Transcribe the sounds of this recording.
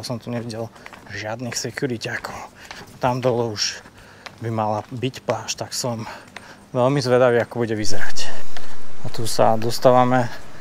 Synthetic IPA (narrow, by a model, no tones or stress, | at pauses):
asɔmt̪uɲɛʋiɟɛlʒɪad̪nixsɛkjuɾicakɔʊt̪amd̪ɔlɔuʃ | bimalabicplaːʃt̪aksɔm | ʋɛlmizʋɛd̪aʋiːakɔbuɟɛʋizɛɾac | at̪usad̪ɔst̪aːʋamɛ